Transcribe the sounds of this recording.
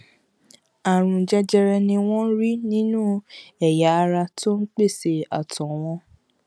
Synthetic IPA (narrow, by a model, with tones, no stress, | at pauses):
a˨ɾ̃ũ˨d͡ʒɛ˧d͡ʒɛ˧ɾɛ˧nĩ˧w̃ɔ̃˦ɾi˦nĩ˦nũ˦ɛ˨ja˨˦˧ɾa˧to˦n̩˦k͡pe˦˨se˨a̰˨tɔ̃˨w̃ɔ̃˧